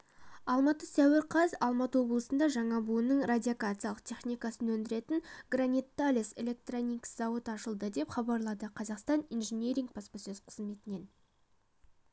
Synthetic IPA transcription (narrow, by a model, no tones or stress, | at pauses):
ɑlˠmɑt̪əsæwɪɾqʰɑzɑlˠmɑt̪əwo̞blˠəsənd̪ɑʒɑɴɑbuənəɴrad̪ʲiakat̪sɨjɑlˠə̥qt̪ʰe̞χnʲijkɑsənɵnd̪ɪɾe̞t̪ɪŋɡranʲit̪ːalʲise̞̰lʲe̞k̚t̪ronʲikszɑwət̪ɑʃəlˠd̪əd̪e̞pχɑbɑɾlˠɑd̪əqʰɑzɑqst̪ɑnijnʒenʲeɾʲiŋɡ̚bɑspəsɵzqʰəzme̞t̪ɪne̞n